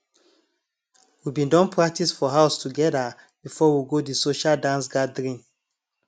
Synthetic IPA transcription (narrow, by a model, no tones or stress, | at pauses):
wibĩndɔ̃npɹak̚tisfɔɦaʊstuɡɛda | b̥ifɔwiɡodisoʃaldãns̬ɡadɹĩn